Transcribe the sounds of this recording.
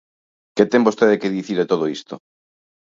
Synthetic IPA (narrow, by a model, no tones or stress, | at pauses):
ket̪embost̪eðekeðiθiɾet̪oð̞oist̪o